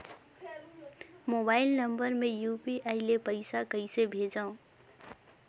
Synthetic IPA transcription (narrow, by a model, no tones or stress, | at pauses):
mobaɪlnəmbəɾmẽjupiʔaɪlepəɪsakəɪsebʱed͡ʒaũ